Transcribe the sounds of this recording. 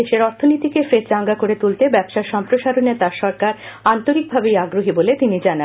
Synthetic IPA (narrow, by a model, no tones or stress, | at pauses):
eʃeɾɔɾt̪ʰonit̪ikefɾet̪d͡ʑaŋɡakoɾet̪ult̪ebɛbʃaʃɔmpɾoʃaɾonet̪aɾʃɔɾkaɾant̪oɾik̚bʱabejaɡɾoɦibolet̪inid͡ʑanan